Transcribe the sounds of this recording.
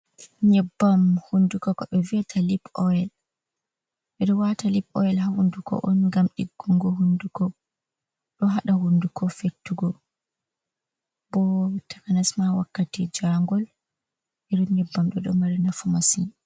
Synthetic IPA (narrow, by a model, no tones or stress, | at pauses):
ɲɛbːamhundukɔkɔɓɛviɛtʰalipɔjɛl | ʔɛɗɔwatalipɔ̰jɛlhahundukɔ̰ʔɔnŋɡamɗiɡːuŋɡɔɦundukɔ | ɗɔɦaɗahundukʰɔfetːuɡɔ | bɔtʰḁkanasmawa̰kːatid͡ʒaŋɡɔl | ʔɛɗɔɲɛbːamɗɔɗɔmaɾinafumasin